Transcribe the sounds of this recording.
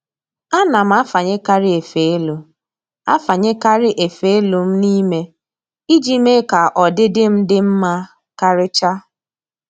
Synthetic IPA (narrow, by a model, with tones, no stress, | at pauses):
a˦na˨m̩˦a˦fa˨ɲe˦ka˦ɾɪ˦e˨fe˨e˦lo˨ | a̰˦fa˨ɲe˦ka˦ɾɪ˦ʔe˨fe˨˦e˦lu˨m̩˦ni˦me˦ | i˦d͡ʒi˦me˦ka˨ʔɔ˨dɪ˦dɪ˦m̩˦dɪ˦m̩˦ma˦ | ka˦ɾɪ˦t͡ʃa˦